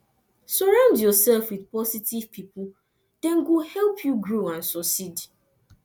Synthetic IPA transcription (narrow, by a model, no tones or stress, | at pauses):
sɔɹãʊ̃ndjɔsɛlfwiðpɔsitiv̥pʰipʊ | d̥ɛ̃nɡuhɛlˠpʰjuɡɹoãnsɔsid